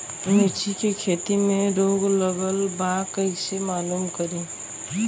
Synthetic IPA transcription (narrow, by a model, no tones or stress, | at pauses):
met͡ʃʰikekʰeːt̪imẽɾoːɡləɡəlbakəɪsemaːluːmkəɾẽː